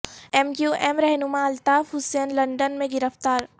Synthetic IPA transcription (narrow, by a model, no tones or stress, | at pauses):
ɛmjjuʔɛmɾɛɦnʊmaɐlt̪aːfɦʊsɛnlɐ̃ɳɖənmẽɡɪɾəft̪aːɾ